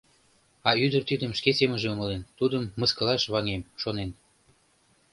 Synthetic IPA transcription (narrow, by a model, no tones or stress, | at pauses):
ɑyd̪ərt̪yd̪əmʃkeseməʒeoŋəlent̪ud̪əmːəskə̆lɑʃβɑŋemʃonen